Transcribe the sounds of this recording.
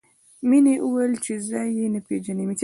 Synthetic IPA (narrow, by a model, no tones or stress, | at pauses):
mineʔuwəlt͡ʃezɑjenəped͡ʒanimit͡ʃ